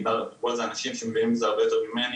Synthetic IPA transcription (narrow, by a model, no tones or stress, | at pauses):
babozanaʃimʃemevinimbzeaʁbe̞jot̪eʁmimen